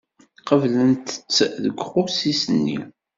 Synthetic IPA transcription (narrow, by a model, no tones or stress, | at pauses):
qəvlənt̪ə̥t͡sːəðəɡʷχʊsisənːḭ